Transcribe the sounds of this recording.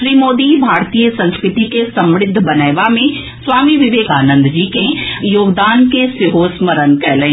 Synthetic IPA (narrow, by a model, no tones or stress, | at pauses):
ɾiːmoːd̪ibʱaːɾt̪ijəsɐ̃nskɾɪt̪ikesɐ̃mɾɪd̪ʱːbɐnəjʋamẽ | sʋaːmiʋɪʋeːkaːnə̃nd̪ʱd͡ʒiːkejoːɡd̪aːnkesɪɦoːsməɾənkɛːlə̃